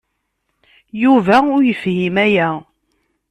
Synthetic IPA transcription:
juvæʊɾjəfhimæjæ

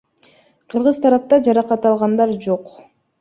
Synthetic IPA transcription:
qʰɯɾʁɯzt̪ʰɑɾɑp̚t̪ɑd͡ʒɑɾɑqɑt̪ɑlˠʁɑnd̪ɑɾd͡ʒoq

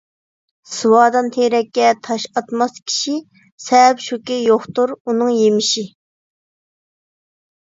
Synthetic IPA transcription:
sɨwɑːd̪ɑnt̪ʰeɾɛkʲːɛt̪ʰɑʃɑt̪mɑskʲʰi̥ʃi | sɛpʃukʲijoχt̪uɾunɨŋjemɪʃi

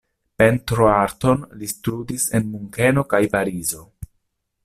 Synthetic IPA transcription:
pe̞ntɾoaɾto̞nlistɾudise̞̰nmuŋke̞no̞kajpaɾizo̞

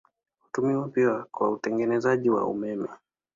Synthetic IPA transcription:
hutumiwapiakwa̰utɛŋɡɛnɛzaʄiwa̰ṵmɛmɛ

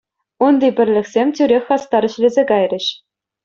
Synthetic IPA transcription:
und̪ʲibʲɘ̆rʲlʲɘ̆kʲsʲemʲtʲyɾʲexʲɑst̪ɑɾɘ̆ɕlʲezʲeɡɑjrʲɘ̆ɕ

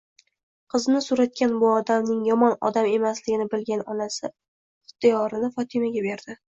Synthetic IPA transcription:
qʰɨznɪsʊɾat̪̚kʲanbʊɒd̪amnɪŋjɒmɒnɒ̰d̪ame̞maslɪɡʲɪnɪbɪlɡʲanɒnasɪ | ɪ̥t̪ʰːɪjɒɾɪnɪfɒt̪ʰɪmaɡʲabe̞ɾd̪̥ɪ

